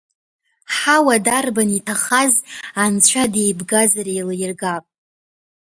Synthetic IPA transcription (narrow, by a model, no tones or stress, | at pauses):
ħawadarbanitʰaχazant͡ɕʷʰade̞jbɡazaɾajlajrɡapʼ